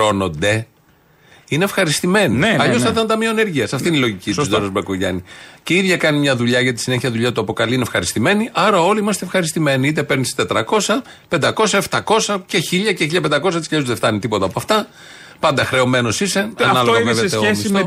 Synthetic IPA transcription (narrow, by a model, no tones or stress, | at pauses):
o̞no̞nd̪e̞ | ine̞fxɐɾist̪ime̞niɐʎosɐθɐnt̪ɐmioɐne̞ɾʝiɐsɐft̪iniloʝicit̪usd̪oɾozbekoʝɐ̰nice̞iðʝɐkɐnimɲɐðuʎɐʝɐt̪̬i̥sine̞çiɐðuʎɐt̪uɐpo̞kɐliinefxɐɾist̪ime̞niʔɐɾɐo̞liimɐst̪efxɐɾist̪ime̞niit̪̬e̞pe̞ɾnist̪e̞t̪ɾɐko̞sɐ | pe̞nd̪ɐko̞sɐeft̪ɐko̞sɐce̞çiʎɐceçiʎɐpe̞nd̪ɐko̞s̬ɐt̪iseuzðeft̪ɐnit̪ipo̞t̪ɐpoɐft̪ɐ | pɐnd̪ɐxɾe̞o̞me̞no̞sisenɐnɐloɐveveeomisso